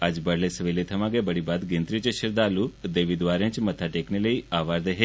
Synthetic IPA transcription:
ad͡ʒbəɽlesʋilet̪ʰəmãɡebəɽibad̪ɡẽnt̪ɾit͡ʃʃəɾd̪alud̪eʋid̪ʋaɾə̃t͡ʃmət̪ʰaʈekneləiaʋaɾd̪əɦe

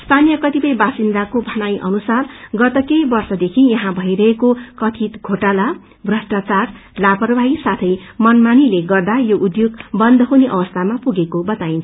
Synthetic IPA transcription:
st̪ʰanijʌkʌt̪ipʌjbasind̪akobʱʌnajʔʌ̰nusarɡʌt̪ʌkejbʌrsʌd̪ekʰijʌɦãbʱʌjɾʌɦekokʌt̪ʰit̪ɡʱoʈala | brʌsʈat͡sarlapʌrbʱajsat̪ʰʌjmʌnmanileɡʌrd̪ajoʔud̪joɡbʌnd̪ʱʌɦuneʔʌbʌst̪ʰamapuɡekobʌt̪aint͡sʰʌ̥

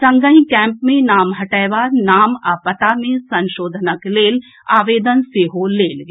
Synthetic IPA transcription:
sɐ̃ŋɡəĩkɛ̃ːmpmẽnaːmɦɐʈaːjʋaːnaːmaːpət̪amẽsɐ̃nʃoːd̪ʱnəkleːl | aːʋeːd̪ənseːɦoleːlɡe

